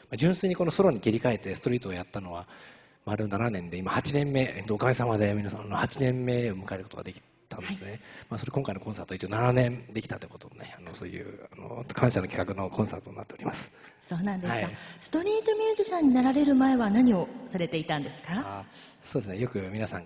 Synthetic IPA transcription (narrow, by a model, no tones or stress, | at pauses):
mad͡ʑɨ̃ɰ̃sɨːɲ̟iko̞noso̞ɾo̞ɲ̟ikʲiɾʲikae̞t̪ːe̞sɨ̥t̪o̞ɾʲiːt̪oːjat̪ːano̞βa | maɾɯ̟nananẽ̞nd̪e̞imahat͡ɕinẽ̞mːe̞t̪oːkamisamad̪e̞mʲinasãanohat͡ɕinẽ̞mːe̞omɯ̟kae̞ɾɯ̟ko̞t̪o̞ɡa̰d̪ekʲi̥ | t̪ãnde̞sɨnemasoɾe̞kõ̞ŋkainokõ̞saːt̪oi̥t͡ɕionananẽ̞nd̪e̞kʲi̥t̪ḁt̪ːoiɯ̥kot̪od̪oneano̞so̞̰ːjɯ̰ːano̰kʰãɰ̃ɕano̞kʲi̥kakɯ̟no̞kʰõ̞ɰ̃saːt̪oɲninːat̪ːeo̞ɾʲimasɨ̥ | so̞ːnãnd̪e̞haiasɨ̥t̪o̞ɾʲiːt̪o̞mʲɨːʑiɕãɲ̟ːinaɾaɾe̞ɾɯ̟mae̞βanaɲ̟io̞saɾe̞t̪e̞it̪ãnd̪e̞sɨ̥ka | so̞ːd̪esɨnejo̞kɯ̟mʲinasãŋ